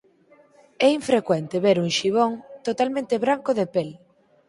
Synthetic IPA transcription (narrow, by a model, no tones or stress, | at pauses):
ɛiɱfɾekwɛnt̪eβeɾuŋʃiβ̞oŋt̪ot̪almẽnt̪eβɾaŋkʊðepel